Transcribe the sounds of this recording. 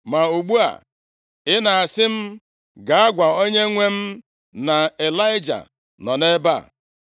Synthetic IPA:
ma˨u˨ɡ͡bu˦a̰˨ | ɪ˦na˨a˨sɪ˦m̩˦ | ɡa˨a˦ɡʷa˨o˦ɲe˦ŋʷe˦m̩˦ | na˨e˨la˦ɪ˦d͡ʒa̰˨ | nɔ˨ne˦ba̰˦˨

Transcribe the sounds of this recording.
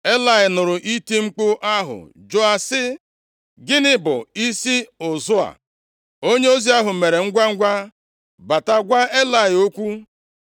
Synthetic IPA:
e˦la˨ɪ˨nʊ˨ɾʊ˨ʔi˦ti˦ŋ͡m̩˦k͡pʊ˦ʔa˦ɦʊ̰˨ | d͡ʒo˦a˨sɪ˦ | ɡɪ˦nɪ˦bʊ̰˨i˦si˦ʊ˨zʊ˦a̰˨ | o˦ɲe˦o˦zi˦a˦ɦʊ˨me˨ɾe˨ŋ̩˦ɡʷa˦ŋ̩˦ɡʷa˦ | ba˨ta˦ɡʷa˦e˦la˨ɪ˨o˦kʷu˦

